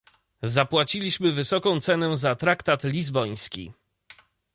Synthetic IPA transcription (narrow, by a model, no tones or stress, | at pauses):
zapwat͡ɕilʲiɕmɘvɘsɔkɔ̃w̃t̪sɛnɛzat̪ɾakt̪at̪lʲizbɔj̃skʲḭ